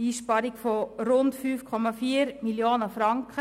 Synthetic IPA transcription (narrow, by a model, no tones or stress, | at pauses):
iːʃpɑɾiɡfoɾʊntfyːfkʰɔmafiːɾmiljoːnəfɾɑŋkχə